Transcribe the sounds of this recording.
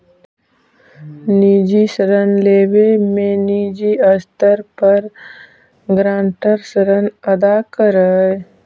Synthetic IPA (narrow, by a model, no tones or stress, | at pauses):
niːd͡ʒisəɾənleːʋemẽniːd͡ʒiəst̪əɾpəɾ | ɡɾãːɳʈəɾsəɾənɐd̪akəɾəe